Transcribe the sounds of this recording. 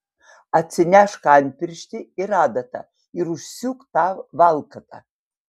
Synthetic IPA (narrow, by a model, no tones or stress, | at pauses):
at͡sʰɪnʲaʂkaːnʲpʰʲɪrʃtʲɪiradatʰa̰ | iɾuʃsukʼt̪ʰavvalkʰatʼa